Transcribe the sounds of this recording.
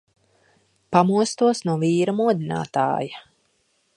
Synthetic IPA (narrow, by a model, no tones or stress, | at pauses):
pamuɔst̪uɔsnuɔviːɾɐmuɔd̪ʲina̰ːt̪a̰ːja